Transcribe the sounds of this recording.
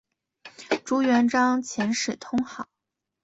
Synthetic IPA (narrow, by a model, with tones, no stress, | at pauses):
ʈ͡ʂu˧˥ɥɛ˧˥nʈ͡ʂɑ˥ŋt͡ɕʰjɛ˧˥nʂɻ̩˨˩t̪ʰʊ˥ŋxɑ˨˩˦ʊ